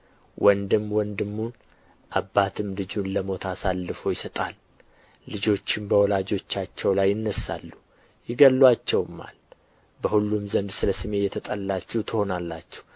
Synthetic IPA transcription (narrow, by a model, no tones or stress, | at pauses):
wʔɔnd̪ɨmːwɔnd̪ɨmːun | ʔabːat̪ʰɨmlɨd͡ʒunləmo̞t̪ʰasalːɨfo̞jɪsət̪ʼalː | ɨd͡ʒo̞t͡ʃːɪmbəwɔlad͡ʒo̞t͡ʃːat͡ʃːɛwlajːɪnːəsːa̰lːu | jɪɡəlːwat͡ʃːɛwmːa̰l | bəhulːumzənd̪sɨləsɨme̞jɛt̪ʰət̪ʼəlːat͡ʃːɛht̪ʰɨho̞nalːat͡ʃːɛ̥h